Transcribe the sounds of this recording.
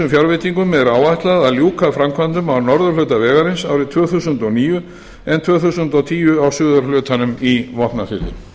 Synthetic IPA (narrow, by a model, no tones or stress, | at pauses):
ʏmfjawɾvɪt̪iŋkʏmɛðɾaːwajht̪laðaðljuːkʰafɾamkʰvant̪ʏmawnɔɾðʏlœːt̪avɛːɣaɾɪnsaːwɾɪt̪ʰvœːθusʏnt̪ɔniːjʏ | ɛnt̪ʰvœːθusʏnt̪ɔwt̪ʰiːʏawsʏːðaɾlʏːt̪anʏmivɔht̪nafɪ̰ːt̪ɪ̰